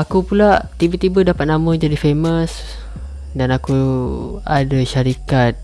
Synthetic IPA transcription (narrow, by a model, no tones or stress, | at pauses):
akupulaʔt̪ibət̪ibədapat̪̚namə̃d͡ʒadifeməs | danaku | adaʃaɾikat̪̚